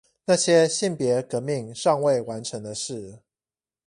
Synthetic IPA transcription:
na˥˩ɕjɛ˦ɕi˥˩npjɛ˨˧˥kɤ˧˥mi˥˧ŋʂɑ˥˧ŋwe˥˩ɪwa˧˦nʈ͡ʂʰə˧˥ŋd̪ə˧ʂɻ̩˥˩

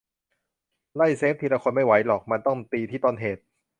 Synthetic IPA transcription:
la˥˩jseː˦˥p̪̚ʰi˧la˧kʰo˧nma˥˩jwa˩˦˥jlɔː˨˩k̚ma˧nt̪ɔ˥˩ŋt̪iː˧t̪ʰiː˥˩t̪ɔː˧nɦeː˨˩t̪̚

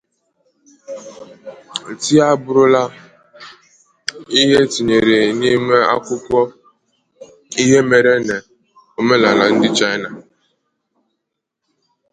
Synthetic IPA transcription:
n̩˨ti˦a˦bʊ˦ɾʊ˦la˦ | i˦ɦe˦ti˨ɲe˨ɾe˨ni˦me˦a̰˦kʷʊ˦kʷɔ˦ | i˦ɦe˦me˨ɾe˦ne˨ | o˨me˦la˨la˨n̩˦dɪ˦t͡ʃa˦jna˨

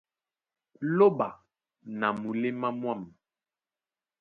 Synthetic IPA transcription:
lo˦ba˨ | na˨mu˨le˦ma˦mwa˦˨m

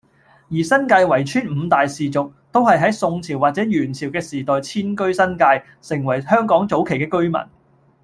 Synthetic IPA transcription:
jiː˨˩sɐ˥nkaː˧jwɐ˨˩jt͡ʃʰyː˥nm̩˨˧t̪aː˨jsiː˨t͡sʊ˨k̚t̪o˥whɐ˨jɦɐ˨˥jsʊ˧ŋt͡sʰiː˨˩waː˨t̚t͡sɛː˨˥jyː˨˩nt͡sʰiː˨˩wkɛː˧siː˨˩t̪ɔː˨jt͡sʰiː˥nkɵ˥ɥsɐ˥nkaː˧j | sɪ˨˩ŋwɐ˨˩jhœː˥ŋkɔː˨˥ŋt͡so˨˥wkʰe˨˩jkɛː˧kɵ˥ɥmɐ̰˨˩n

